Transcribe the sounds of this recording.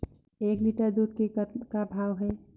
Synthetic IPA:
eːkliʈəɾd̪ud̪kekkabʱaːwɦɛː

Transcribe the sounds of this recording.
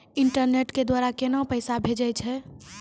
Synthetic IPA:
iɳʈəɾneʈked̪waɾakenapəjsabʱed͡ʒɛjt͡ʃʰɛ

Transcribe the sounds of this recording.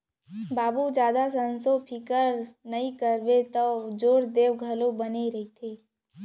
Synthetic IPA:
baːbud͡ʒjaːd̪asə̃nsopʰɪkəɾnɐĩkəɾbet̪od͡ʒoːɾd̪eːʋɡʱɐlõbəneɾɐɦit̪ʰeː

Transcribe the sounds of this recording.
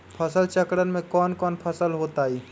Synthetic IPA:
pʰəsəlt͡ʃəkɽənmẽkɔːnkɔːnpʰəsəlɦoːt̪aːiː

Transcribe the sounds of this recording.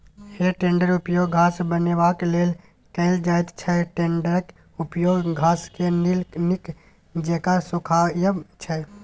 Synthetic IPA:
heʈẽɳɖəɾupjoɡɡʱasbənebakelel | kəɪld͡ʒajt̪t͡ʃʰɛʈeɳɖəɾək | upjoɡɡʱaskenilnik | d͡ʒekasukʰajət͡ʃʰɛ

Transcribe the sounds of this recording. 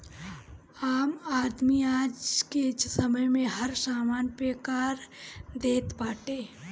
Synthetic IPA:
aːmaːd̪miaːd͡ʒkesəməjmẽɦɐɾsaːmaːnpɾeːkaːɾd̪eːt̪baːʈeː

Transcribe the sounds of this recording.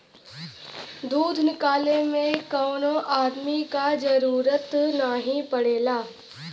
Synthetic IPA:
d̪uːd̪ʱnɪkaːlemẽkɔːnoʔaːd̪mikad͡ʒɐɾuːɾət̪naɦĩpɐɽeːlaː

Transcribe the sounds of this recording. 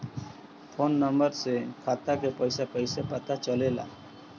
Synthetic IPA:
pʰonːəmbəɾsekʰat̪akepəjsapəjsapət̪at͡ʃəlela̰

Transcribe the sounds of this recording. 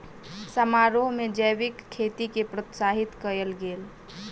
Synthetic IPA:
səmaɾoɦmed͡ʒəjʋɪkʰːet̪ikepɾot̪saɦit̪kəəlɡeːl

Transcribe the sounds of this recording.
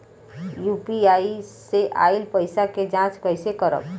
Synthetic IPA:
juːpiaːiseʔaːɪlpəɪsaked͡ʒãːt͡ʃkəɪsekəɾə̰b

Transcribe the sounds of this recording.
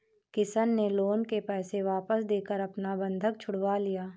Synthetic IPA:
kɪsənːeloːnkepɛːseʋaːpəsd̪eːkəɾɐpnabɐ̃nd̪ʱək̚t͡ʃʰʊɽʋalijaː

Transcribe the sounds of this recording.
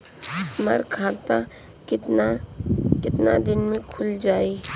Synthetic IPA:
məɾkʰaːt̪a | ɪt̪nakɪt̪nad̪ɪnmẽkʰʊld͡ʒaːiː

